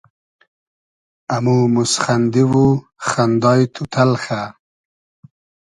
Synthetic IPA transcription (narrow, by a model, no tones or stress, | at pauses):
amumusχand̪iwu | xand̪ɑjt̪ʰut̪ʰalxa